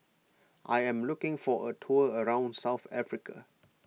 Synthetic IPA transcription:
ʔajɛ̃mlukɪ̃ŋfɔʔətʰuəəɹãʊ̃nsaʊθafɹikʰə̰

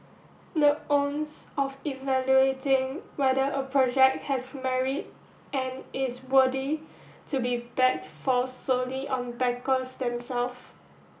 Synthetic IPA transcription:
dəõnsɔfivɛljuetɪ̃ŋwɛdəʔəpʰɹɔd͡ʒɛk̚t̚hɛsmɛɹid̚ | ɛ̃nɪswədi | tubibɛk̚tfɔsoliʔɔ̃nbɛkəsdɛ̃msɛlf

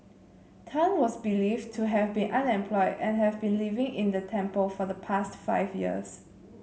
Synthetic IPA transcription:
tʰãnwɔsbiliftʰuɦɛvbĩnʔãnɛ̃mpʰlɔɪdɛ̰̃nɦɛvbĩnlivɪ̃ŋɪ̃ndətʰɛ̃mpəlfɔðəpʰastfa̰ɪvjḭə̰s

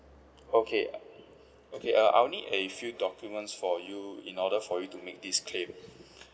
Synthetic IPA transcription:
okʰe | okʰeʔəʔa̰wnidefjudɔkjumə̃ntsfɔjuḭ̃nɔɾəfɔjutumek̚diskʰlẽm

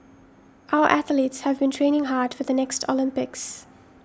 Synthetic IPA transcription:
ʔaʊəʔæθəlitshəvbĩntʰɹ̥ẽɪnɪ̃ŋɦaːd̥fəðənɛkstʰə̰lɪ̃mpɪks

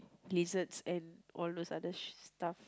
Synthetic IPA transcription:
lizətsɛ̃nʔɔldosadəstaf

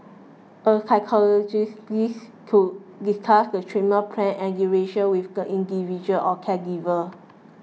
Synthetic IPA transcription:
əsaɪkʰɔlɔd͡ʒisis | kʰudiskʰasdətʰɹiməpʰɹɛ̃nɛ̃ɡuɹeʃə̃nwifɡəʔĩndivid͡ʒuəlʔɔkʰɛɡivə

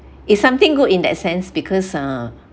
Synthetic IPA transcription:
isãmt̪ɪ̃ŋɡudĩndɛ̰tsɛ̃nsbikʰɔsa

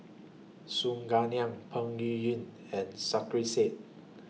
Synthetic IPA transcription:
sũŋɡaniãŋpʰãŋijĩn | ɛ̃nsakɹiset̚

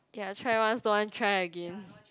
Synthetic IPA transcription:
jatʰɹaɪwãnsdoãntʰɹajəɡɛ̃n

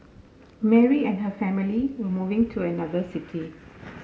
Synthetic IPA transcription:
mɛɹiɛ̃nɦəfɛ̃miliwəmuvɪ̃ŋtʰuənad̪əsɪtʰi

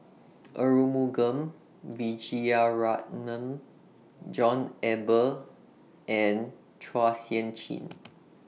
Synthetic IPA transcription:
ʔəɹumuɡə̃m | vid͡ʒiaɹat̚nə̃m | d͡ʒɔ̃nɛbə | ʔɛ̃n | tʰɹasiə̃nt͡ʃḭ̃n

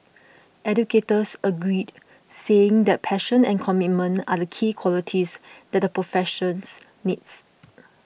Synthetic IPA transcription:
ʔɛdjuketəsəɡɹid | seɪ̃ŋdɛt̚pʰɛʃə̃nɛ̃nkʰɔmit̚mə̃na̰dəkʰikʰwɔlitʰisdɛt̚dəpɹofɛʃə̃ns | nits

